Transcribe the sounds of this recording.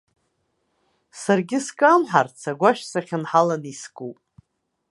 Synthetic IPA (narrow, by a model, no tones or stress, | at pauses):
sarɡʲɪskʼamħart͡sʰaɡʷaʃsaχʲɪnħalaniskʼupʼ